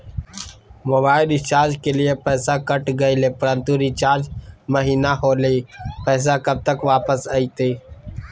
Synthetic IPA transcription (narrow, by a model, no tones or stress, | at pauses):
mobaːɪlɾɪt͡ʃaːɾd͡ʒkeːlɪjeːpɛːsaːkəʈɡəiːleːpʊɾə̃nt̪uɾiːt͡ʃaːɾd͡ʒməɦiːnaːɦoːleːpɛːs̬aːkəb̚t̪əkʋaːpəsaːiːt̪iː